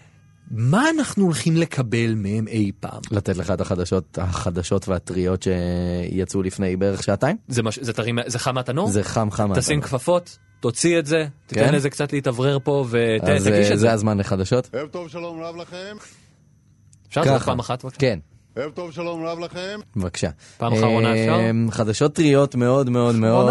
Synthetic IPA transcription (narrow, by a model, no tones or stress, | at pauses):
maːnaχnuolχimle̞kʰabe̞lmehemʔejpa̰ːmlat̪etleχaet̪aχad̪aʃo̞t̚haχad̪aʃo̞tveat̪ʁio̞tʃe̞jat͡sulifnejbeeʁeχʃaːtaimzemaʃzetaʁimzeχamatanozeχamχamatasimkfafo̞tː | ot͡sietze̞t̪ienlezekt͡satleitavʁeʁpo̞veezaɡiʃezeazmanleχad̪aʃo̞tevt̪ovʃalomʁavlaχem | efʃaʁkapaːmaχatvakʃken | hevt̪ovʃalomɾavlaχemvakʃa | paːmmaeaʁonaamχad̪aʃo̞tːʁio̞tmeo̞d̪meo̞d̪meod